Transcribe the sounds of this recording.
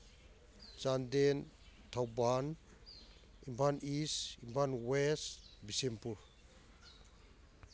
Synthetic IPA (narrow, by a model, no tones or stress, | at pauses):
t͡ʃanden | tʰawban | impʰanisimpʰanwesbisempuɾ